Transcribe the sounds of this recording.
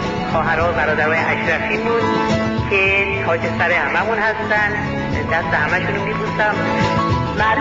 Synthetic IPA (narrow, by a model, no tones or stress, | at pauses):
xɒːɦæɾɒːbæɾɒːd̪æɾɒːjeʔæʃɾæfiːmun | kʰe | hɒːkʰesæɾehæmæmunhæst̪ænd̪ | d̪æst̪ehæmæʃunumiːpusæm | mæl